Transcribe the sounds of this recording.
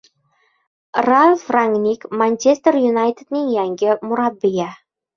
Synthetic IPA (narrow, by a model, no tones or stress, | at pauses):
rafraŋɡnʲikmanʲt͡ɕest̪ərjunɑjt̪ʲet̪nʲeŋjæŋɡʲɘ̆muɾɑbʲija